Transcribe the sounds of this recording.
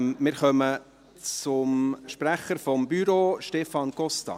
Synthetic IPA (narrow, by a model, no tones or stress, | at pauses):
mɪɾχœmə | t͡sʊmʃpræχəɾfɔmbyɾoːʃtɛfɑnɡ̥ɔst̪ɑ̰